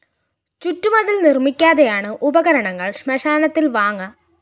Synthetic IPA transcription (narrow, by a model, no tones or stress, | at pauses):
t͡ɕutːumɐðilnirmikʲːaːðejaːɳɨʔubɐɣɐɾɐɳɐŋːɐɭɕmɐʂaːnɐt̪ːilʋaːŋːɐ